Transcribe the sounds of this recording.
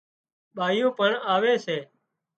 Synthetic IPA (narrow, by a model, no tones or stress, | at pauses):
ɓaːɪjõːpəɳaːʋeːseː